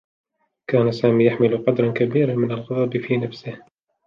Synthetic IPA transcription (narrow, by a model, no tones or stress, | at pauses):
kaːnasaːmiːjaħmɪlʊqɑd̪ɾˤɑnkabiːɾamɪnalɣɑðˤɑbfiːnafsɪh